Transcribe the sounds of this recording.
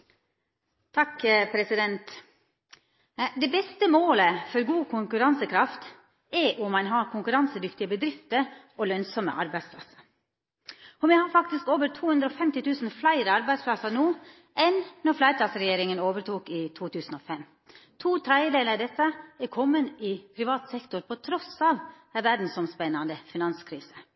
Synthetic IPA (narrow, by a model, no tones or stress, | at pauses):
t̪ʰɑkpʰɾɛsɪd̪ɛnt̪ | d̪ɛbɛst̪əmoːləfɔɾɡuːkʰʊŋkʉɾɑnsəkʰɾɑft̪ | ɛʔʊmːɑnɦɑɾkʰʊŋkʉɾɑnsəd̪ʏkt̪ɪəbəd̪ɾɪft̪ə | ɔlœnsɔmə̰ʔɑ̰ɾbæɪspʰlɑ̰sə̥ɾ | ɔmɛhɑɾfɑkt̪ɪskoːʋəɾt̪ʰuːhʉnd̪ɾəɔfɛmt̪ɪt̪ʰʉːsn̩flæɪɾəɑɾbæɪspʰlɑsɑɾnuː | ʔɛnːɔɾflæɪt̪ʰɑːsɾɛjeːɾɪŋənoːʋəɾʈʰuːkɪt̪ʰuːt̪ʰʉːsn̩ɔːfɛm | t̪ʰuːt̪ʰɾæɪd̪eːləd̪ɛt̪ːəɛkʰɔmːənɪpʰɾɪʋɑːt̪sɛkt̪ʊɾpʰɔt̪ʰɾɔsɑːʋ | æʋæɖn̩sɔmspɛnːɑnd̪əfɪnɑnskʰɾiːsə̥